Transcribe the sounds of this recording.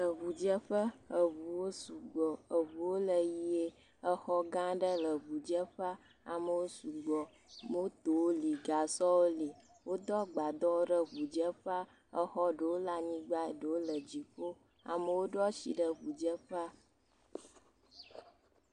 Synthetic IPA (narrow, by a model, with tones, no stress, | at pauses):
lə˨βu˨d͡ʒə˦ɸə˦ə˨vu˨wo˦su˨ɡ͡bɔ˨ə˨βu˨wo˦lə˨ji˦e˦ | ə˦xɔ˦ɡã˦ɖə˦lə˨βu˨d͡ʒə˦ɸa˦ | a̰˨mə˨wo˦su˨ɡ͡bɔ˨ | mə˦wo˦t̪o˨wo˦li˨ɡa˨sɔ˦wo˦li˨ | wo˦d̪ɔ˦ɡ͡ba˨d̪ɔ˦wo˦ɖə˦βu˨d͡ʒə˦ɸa˦ | ə˦xɔ˦ɖə˨wo˦la˨ɲĩ˦ɡ͡ba˦˨ɖə˨wo˦lə˨d͡ʑi˨ko˦ | a̰˨mə˨wo˦ɖɔ˦t͡ɕḭ˨ɖə˦βu˨d͡ʒə˦ɸa˦